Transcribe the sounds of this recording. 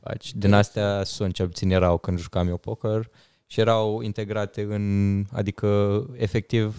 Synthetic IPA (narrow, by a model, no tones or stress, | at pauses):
a̰t͡ʃd̪inast̪easunt͡ʃelput̪injeɾawkɨnd̪ʒukamjowpokər | ʃije̞ɾawḭnt̪e̞ɡɾat̪e̞ɨna̰d̪ikəefe̞k̚t̪iv